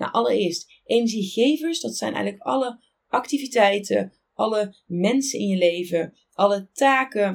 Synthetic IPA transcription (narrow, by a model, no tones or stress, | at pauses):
na̰ʔɑləɹɪːɹst | ʔenəʒiχejvəɹsdɑtsɛjnʔɛ̰jɣələkɑlə | ʔɑktivitɛjtə̰ | ʔɑləmɛnsənɪ̰njəlejvə | ʔɑlətaːkə